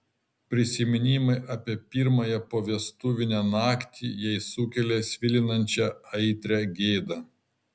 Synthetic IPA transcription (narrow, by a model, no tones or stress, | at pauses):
pʲɾʲɪsʲɪmʲɪnʲimɐɪʔɐpʲiɛpʲiɾmɐjɛpoːʋʲiɛst̪ʊʋʲɪnʲænɑːkt̪ʲḭːjɛɪsʊkʲɛlʲeːsʲʋʲɪlʲɪnɐnʲt͡ʃʲɛɐɪt̪ʲɾʲɛɡʲeːd̪ɑ